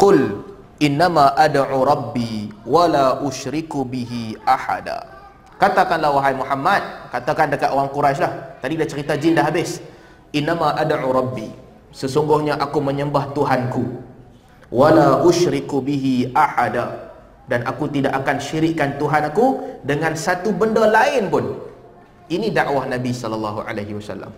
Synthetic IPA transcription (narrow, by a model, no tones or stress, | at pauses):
qʊl | ʔɪnːamaʔadʕuɾˤɑbːiwalaʔuʃɾikubiɦiʔaħa̰da̰ | kat̪akanlahwaɦajmuħamːat̪̚kat̪akandəkat̪̚ʔowaŋkuɾaʃlaht̪adidat͡ʃəɾit̪ad͡ʒindaɦabɪs | ʔɪnːamaʔadʕuɾɑbːi | səsuŋɡʊhɲaʔakumə̃ɲəmbaht̪uɦanku | walaʔʊʃɾɪkubiɦiʔaħada | danʔakut̪idaʔakanʃiɾɪʔkːant̪uɦanakudəŋãnsat̪ubəndɔlaɪnpʊn | ʔinĩdaʔwahnabisɔləlːɑɦuʔa̰laɦiwasa̰lːa̰m